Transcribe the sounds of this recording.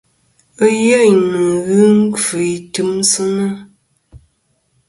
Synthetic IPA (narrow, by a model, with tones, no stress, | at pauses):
ə˦jə˦˨nə˨ɣɨ˦ŋ˦kə˨i˨tɨ˦msɨ˦nə˦